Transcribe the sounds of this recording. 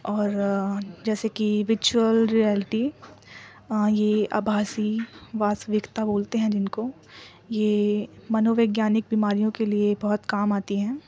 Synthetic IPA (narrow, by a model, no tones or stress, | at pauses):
ɔːɾd͡ʒɛːsekiʋɪɾt͡ʃuəlɾiɛːlɪʈi | jea̰ːbʱaːsiʋaːsʋɪkt̪aboːlt̪eɦɛ̃d͡ʒɪnko | jemɐnoːʋeːɡjaːnɪk̚biːmaːɾijõkeliebɔɦʊt̪kaːmaːt̪iɦɛ̃ː